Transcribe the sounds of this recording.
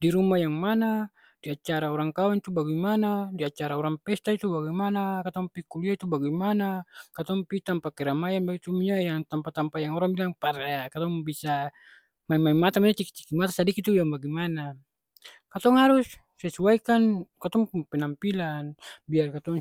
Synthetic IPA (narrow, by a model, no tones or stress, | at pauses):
diɾumajaŋmana | d̥iat͡ʃaɾaɔɾaŋkawaŋt̪ubaɡimanadiat͡ʃaɾaɔɾaŋpɛst̪ait̪ubaɡimanakat̪ɔŋpikuliait̪ubaɡimanakat̪ɔŋpit̪ampakɛɾamajanbaɡit̪umiɲajaŋt̪ampat̪ampajaŋɔɾaŋbilaŋpaɾaakat̪ɔŋbisa | maimaimat̪amiɲat͡ʃiki̥t͡ʃi̥kimat̪asadikit̪uijaŋbaɡimana | kat̪ɔŋɦaɾusː | ɛsuaikankat̪ɔŋpɛnampilanbiarkat̪ɔŋ